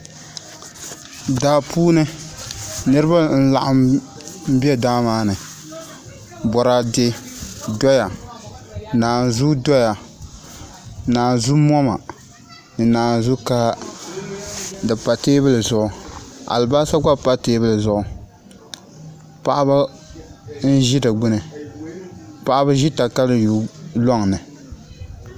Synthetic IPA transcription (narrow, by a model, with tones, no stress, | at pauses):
daː˨pʰuː˦nɨ˦ | nɨ˦ɾɨ˦ba˦n̩˦la̰˨ʔa˨m | m̩˦bi˦ɛ˦daː˦maː˦nɨ˨ | bɔ˨ɾa˨dɪ˦dɔ˦ja˨ | naː˨zu˦dɔ˦ja˨ | naː˨zu˦mɔ˦ma̰˨ | nɨ˨naː˨n˨zu˦ka˦ | dɨ˨pa˨teː˦bɨ˦lɨ˨zʊ˦ʔʊ˨a̰˨lbaː˦sa˦ɡa˦pa˦teː˦bɨ˦lɨ˨zʊ˨ʔʊ˨ | pa˨ʔa˦ba˦ | n̩˦ʒɪ˦dɨ˨ɡ͡bʊ˦nɨ˨ | pa˨ʔa˦ba˦ʒi˦ta˨ka˦lɨ˦ju˨lɔ˦ŋ˨nɨ˨